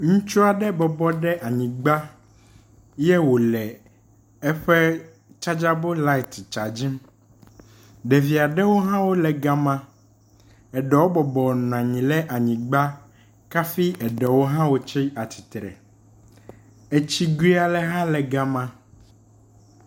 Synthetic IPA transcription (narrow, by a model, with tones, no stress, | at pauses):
ŋũ˦t͡ʃu˦a˨ɖɛ˦bɔ˨bɔ˦ɖɛ˦ʔa˨ɲĩ˨ɡ͡ba˦ | jɛ˦wo˨lɛ˨ | ɛ˦ɸɛ˦ | t͡ʃa˦d͡ʒa˦bo˦la˦i˨t̪t͡ʃa˨d͡ʑi˦m | ɖɛ˨vi˨a˨ɖɛ˦wo˦ɦã˦wo˦lɛ˨ɡa˦mã˦ | ɛ˨ɖɛ˨wo˦bɔ˨bɔ˨ñ˨ã˨ɲĩ˨lɛ˦ʔa˨ɲĩ˨ɡ͡ba˦ | ka˦fi˦ʔɛ˨ɖɛ˨wo˦ɦã˦wo˦t͡ʃi˦a˨t̪ʰi̥˨t̪ɾɛ̰˨ | e˦t͡ɕi˦ɡɾi˦a˨lɛ˦ɦã˦lɛ˨ɡa˦mã˦